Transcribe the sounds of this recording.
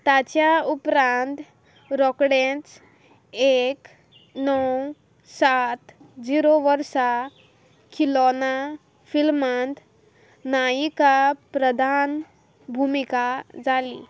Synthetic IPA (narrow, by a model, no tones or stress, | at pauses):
t̪at͡ɕjaupɾãnt̪ | ɾɔkɽẽt͡s | ek | nɔw | sat̪d͡ziɾoʋəɾsa | kʰilɔna | filmant̪ | najikapɾəd̪ʱan | bʱumikad͡zalḭ